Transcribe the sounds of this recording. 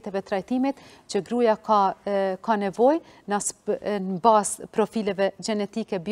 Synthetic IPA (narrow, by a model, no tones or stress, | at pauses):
t̪ɛvɛt̪ɾajt̪imit̪ | t͡ʃəɡɾujakakanɛvɔj | nasnbaspɾɔfilɛvɛɡɛnɛt̪ikɛb